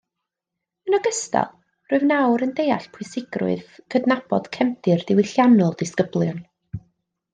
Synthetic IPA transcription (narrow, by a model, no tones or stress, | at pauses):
ənɔɡəsta̰lˠ | rʊɨvnawɾəndejaɬpʰʊɨsɪɡrʊ̰ɨð̥kʰədnabɔ̰d̥kʰɛmtʰɪrd̥ɪwɪɬjanɔlˠd̥ɪskəblˠjɔn